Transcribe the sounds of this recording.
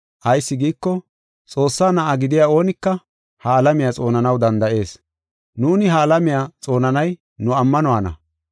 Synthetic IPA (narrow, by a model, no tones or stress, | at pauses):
ʔɐjsːɪɡiːkːɔ | t͡sʼo̞ːsːaːnɐʔaɡɪd̪ɪjaːo̞ːnɪkːɐ | hɐːlɐmɪjat͡sʼo̞ːnɐnɐwd̪ɐnd̪ɐʔe̞ːs | nuːnɪɦɐːlɐmɪjaːt͡sʼo̞ːnɐnɐj | nʊɐmːɐnɔaːnɐ̰